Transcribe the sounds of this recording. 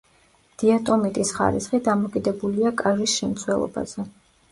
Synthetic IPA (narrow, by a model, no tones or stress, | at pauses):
d̪̥iat̪ʼɔmit̪ʼisχa̰ɾisχid̪amɔkʼid̪ɛbuliakʼavisʃɛmt̪sʰwɛlˠɔ̰ba̰z̥ɛ